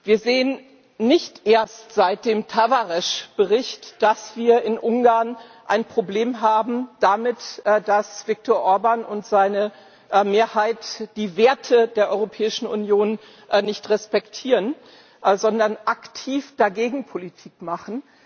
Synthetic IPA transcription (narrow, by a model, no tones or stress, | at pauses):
viːɐzeːən | nɪçtʔeːɐstz̥aɪt̚d̥eːmtʰavaʁɛʃb̥əʁɪçtd̥asv̥iːɐɪnʔʊŋɡaɐnʔa̰ɪnpʁ̥obleːmɦaːbm̩d̥amɪtd̥asv̥ɪk̚tɔːɐʔɔɐbanʊntz̥aɪnə | meːɐhaɪtd̥iːveːɐtʰədeːɐʔɔʏʁopʰɛːɪʃn̩ʊ̰njoːn | nɪçtʁɛspɛktʰiːʁən | zɔndɐnʔaktʰiːfd̥aɡeːɡŋ̩pʰolitʰiːkmaχn̩